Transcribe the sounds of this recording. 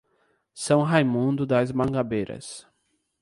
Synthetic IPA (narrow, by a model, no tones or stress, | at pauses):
sɐ̃w̃ɦajmũnd̪ʊd̪ɐzmɐ̃ŋɡabejɾɐ̰s